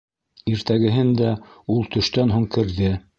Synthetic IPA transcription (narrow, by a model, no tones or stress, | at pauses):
iɾt̪æɡɘ̆ɦɘnd̪æulˠt̪ɵ̆ʃt̪ænɦuŋkɘ̆ɾðɘ